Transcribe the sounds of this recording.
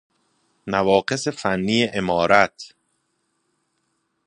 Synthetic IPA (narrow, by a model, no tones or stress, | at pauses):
nævɒːɢe̞se̞fænːiːeʔemɒːɾæt̪ʰ